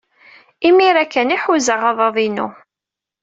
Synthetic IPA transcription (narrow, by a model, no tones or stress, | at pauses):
imiɾækːæniħuzəʁɑðˤɑðˤinṵ